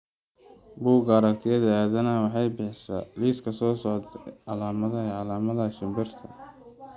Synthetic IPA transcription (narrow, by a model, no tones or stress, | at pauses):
buːɡɐɾɐkt̪ʰɪjɐðɐæːðɐnɐwɑħɑjbɪħsɐ̰liːskʰɐsɔːsɔʕd̪ʕɑlaːmɐðɐɛʕɑlaːmɐðɐʃɪmbɪrt̪ʰɐ̰